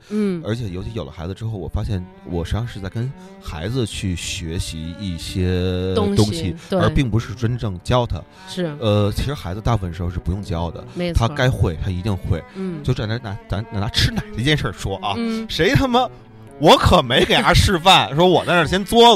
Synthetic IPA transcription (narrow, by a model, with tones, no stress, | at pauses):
ə˞˧˥t͡ɕʰɛ˨˩jo˧˥ʊt͡ɕʰjo˨˩ʊlə˦xa˧˥ɪd͡z̩˧ʈ͡ʂɻ̩˥xo˥˩ʊwɔ̰˨˩fa˥ɕjɛ˥˩n | wɔ̰˨˩ʂe˧˥ɑ˥˧ŋʂɻ̩˥˧t͡sa˥˩ɪkə˥n | xa˧˥ɪd͡zɹ̩˧t͡ɕʰy˥˩ɕɥɛ˧˥ɕḭ˧˥i˥˩ɕjɛ˥ŋt̪ʊ˥ŋɕi˨t̪ə˞˧˥pi˥˩ŋpu˧˥ʂɻ̩˥˩ʈ͡ʂə˥nʈ͡ʂɤ˥˧˩ŋt͡ɕjɑ˥ʊt̪ʰə̰˩ | ʂɻ̩˥˩ə˧t͡ɕʰi˧˥ʂɻ̩˧˥xa˧˥ɪd͡zɹ̩˧t̪a˥˩fwə˥˩nʂɻ̩˧˥xo˥˧ʂɻ̩˥˩pu˧˥jʊ˥˩ŋt͡ɕjɑ˥ʊd̪ə̰˩˧tʰa˥˧ka˥ɪxwe˥˩ɪt̪ʰa˥i˧˥t̪i˥˧ŋxwḛ˥˩ɪ˩t͡ɕjo˥˩ʊʈ͡ʂwa˨˩nʰ˩˧˥na˧˥a˧˥na˨˩na˧˥ʈ͡ʂʰɻ̩˥na˨˩ɪdə˧˥i˧t͡ɕjɛ˥˧nʂə˞˥˩ʂwɔ˥ʔɐ˧˩ʂe˧˥ɪt̪ʰa˥˩mə˨ | wɔ˧˥kʰɤ˨˩me˧˥ɪke˨˩ɪt̪ʰa˥ʂɻ̩˥˧fa˥˩nʂwɔ˥wɔ˨˩t̪a˥˧ʂɻ̩˥˩ɕjɛ˥nt͡swɔ˥